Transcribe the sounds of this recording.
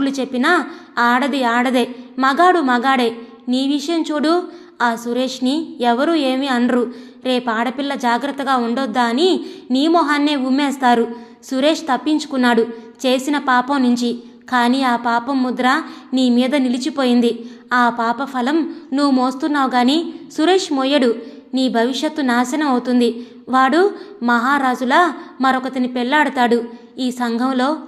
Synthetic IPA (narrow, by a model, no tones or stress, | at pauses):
lut͡ʃe̞pːinɐaːɽɐd̪iaːɽɐd̪e̞ːmɐɡaːɽumɐɡaːɽeː | niːʋiʂɐjɐmt͡ʃuːɽu | aːsuɾe̞ːʂniɛʋɐɾuːe̞ːmiɐnɾu | ɾe̞ːpaːɽɐpilːɐd͡ʒaːɡɾɐt̪ːɐɡaːuɳɖod̪ːaːniniːmɔɦanːe̞ːumːeːst̪aːɾu | suɾe̞ːʂt̪ɐpːiɲt͡ʃu̥kunːaːɽut͡ʃe̞ːsinɐpaːpɐmnuɲt͡ʃi | kaːniːaːpaːpɐmːud̪ɾɐniːmiːd̪ɐnilit͡ʃipo̞ːjind̪iaːpaːpɐpʰɐlɐmnuʋumoːst̪unːaːʋɡaːniːsuɾe̞ːʂmoːjɐɽuniːbʱɐʋiʂjɐt̪ːunaːsɐnɐmɐwut̪und̪i | ʋaːɽumɐɦaːɾaːd͡ʒulaːmɐɾɔkɐt̪ɐnipɛlːaːɽut̪aːɽu | iːsɐŋɡʱɐmlo̞ː